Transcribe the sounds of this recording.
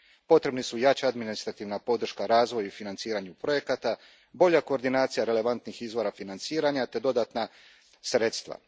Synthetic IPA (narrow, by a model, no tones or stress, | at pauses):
po̞t̪ɾe̞bnisujat͡ɕaad̪minist̪ɾat̪iːʋnapo̞d̪r̩ʃkaɾaːzʋo̞jufinant̪siːɾaɲupɾo̞je̞kat̪a | bo̞ʎako̞ːɾd̪inaːt̪sijaɾe̞le̞ʋant̪nixizʋo̞ɾafinant̪siːɾaɲat̪e̞d̪o̞d̪at̪na | sɾe̞t̪st̪ʋa̰